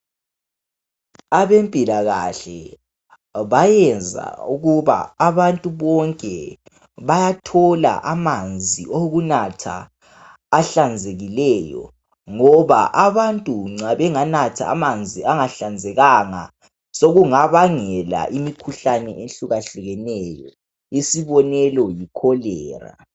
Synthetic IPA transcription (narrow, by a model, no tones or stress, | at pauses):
aβempʼilaɣaɬɛ̰ | βajɛnd͡zʱa̰uɣuβa̰aβantʼuβɔŋkʼɛ | βajatʰɔla̰ʔamand͡zʱiʔoɣunatʰa̰ː | ɬand͡zʱeɣilɛjɔ̰ | ŋɔβa̰ʔaβantʼuŋ͡ǀaβɛŋanatʰa̰ːmand͡zʱiaŋaɬand͡zʱɛɣaŋa̰ | soɣuŋaβaŋɛla̰ʔimikʰuɬanɛ̰ʔenɬuɣaɬuɣɛnɛjɔ | isiβɔnɛlɔjikʰɔlɛːra̰